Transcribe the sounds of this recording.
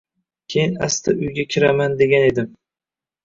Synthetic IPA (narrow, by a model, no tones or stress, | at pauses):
kʲʰejɪnast̪ʰaʔʊjɡʲakʲʰɪɾamand̪eɡʲane̞d̪ɪm